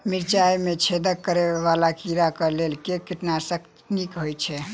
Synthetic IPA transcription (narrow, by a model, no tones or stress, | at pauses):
miɾt͡ʃajmet͡ʃʰed̪əkːəɾeʋalakiɾakəlelkekiʈnasək | nikɦojt͡ʃʰɛ